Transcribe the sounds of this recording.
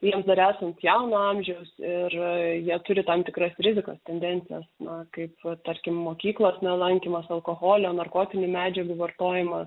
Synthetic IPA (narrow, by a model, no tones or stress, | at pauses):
jiɛmsd̪ɐɾæːsɐnt̪jɛʊnoɑmʲʒʲɛʊsɪrjiɛt̪ʊɾʲɪt̪ɐmt̪ʲɪkɾɐsɾʲɪzʲɪko̰st̪ʲɛnʲd̪ʲɛnʲtsʲɪjɛsnɐkɐɪpt̪ɐɾʲkʲɪmːoːkʲiːklˠosnʲɛlˠɐŋʲkʲimɐsɐlˠkoːɣoːlʲɛoːnɐrkoːt̪ʲɪnʲɪmʲæːd͡ʒʲɛɡʊʋɐrt̪oːjɪmɐ